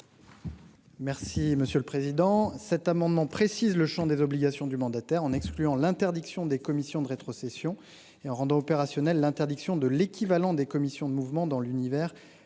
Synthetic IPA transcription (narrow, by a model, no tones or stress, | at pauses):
mɛʁsiməsjøləpχezid̪ɑ̃sɛt̪amɑ̃d̪mɑ̃pχesizləʃɑ̃d̪ezɔbliɡasjɔ̃d̪ymɑ̃d̪at̪ɛʁɑ̃nɛksklyɑ̃lɛ̃t̪ɛʁd̪iksjɔ̃d̪ekɔmisjɔ̃d̪əʁet̪χɔsesjɔ̃ | eɑ̃ʁɑ̃d̪ɑ̃ɔpeʁasjɔnɛlːɛ̃t̪ɛʁd̪iksjɔ̃d̪əlekʲʰivalɑ̃d̪ekɔmisjɔ̃d̪əmuvmɑ̃d̪ɑ̃lynivɛːʁ